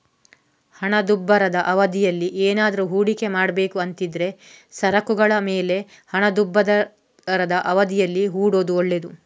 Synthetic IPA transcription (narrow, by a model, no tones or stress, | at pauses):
hɐɳɐd̪ubːɐɾɐd̪ɐʔɐʋɐd̪ijɐlːiʔeːnaːd̪ɐɾuɦuːɽike̞maːɽɐbe̞ːkuɐnt̪id̪ɾe̞sɐɾɐkuɡɐɭɐmeːle̞ | hɐɳɐd̪ubːɐd̪ɐ | ɾɐd̪ɐʔɐʋɐd̪ijɐlːiɦuːɽo̞ːd̪uɔɭːe̞d̪u